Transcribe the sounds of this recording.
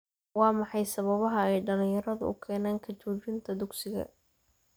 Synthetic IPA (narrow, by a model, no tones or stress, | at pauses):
wɑːmɑħɑjsɐβɐβɐɦɐɛjɖɐlɪ̃jɐɾɐðʊ̰ʊ̰kʰɛːnaːŋkʰɐt͡ʃuːt͡ʃɪnt̪ʰɐd̪ʊɡsɪɣɐ̰